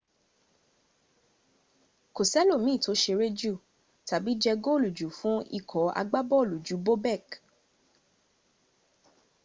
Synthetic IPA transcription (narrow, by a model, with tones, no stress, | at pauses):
ko˨sɛ˦lo˦˨mĩ˨˦˨to˨˦ʃe˧ɾe˦d͡ʒu˦˨ | ta˨bi˨˦d͡ʒɛ˧ɡo˦˨lu˨d͡ʒu˨˦fũ˨˦ḭ˦˨kʰɔ˨˦a̰˧ɡ͡ba˦bɔ˦˨lu˨d͡ʒu˨˦bo˦bɛ˦˨k